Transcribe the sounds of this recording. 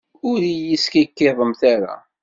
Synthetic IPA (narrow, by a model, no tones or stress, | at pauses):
ʊɾijiskikːɪðˤəmθaɾa̰